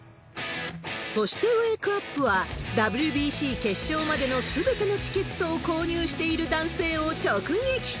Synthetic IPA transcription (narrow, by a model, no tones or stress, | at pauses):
so̞ɕi̥t̪e̞eːkɯapːɯ̟βad̪abɯ̟ɾʲɯ̟bʲiːɕiːke̞ɕːo̞ːmad̪e̞no̞sɨbe̞t̪e̞no̞t͡ɕi̥ke̞t̪ːo̞ːko̞ːɲ̟ʲɨːɕi̥t̪e̞iɾɯ̟d̪ãɰ̃se̞ːo̞t͡ɕo̞ːkɯ̟̃ŋɡekʲi̥